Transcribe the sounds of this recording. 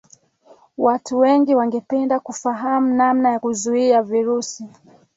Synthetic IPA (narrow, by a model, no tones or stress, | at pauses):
watuwɛŋɡiwaŋɡɛpɛndakufaɦamunamnajakuzuiaviɾusi